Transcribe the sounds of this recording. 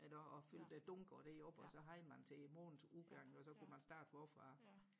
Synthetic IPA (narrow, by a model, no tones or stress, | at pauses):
ʔelɐɒ̽føl̰d̥æd̥ɔŋɡ̥ɐd̥eɒ̽b̥ɒ̽sɒ̽ɦɑ̈ɪmænt͡sʰe̝mo̰ːnn̩suðɡ̥ɑ̈ŋ̰ɒ̽sɒ̽kʰumænsd̥ɑ̈ːd̥ʋɒfʁɑ̈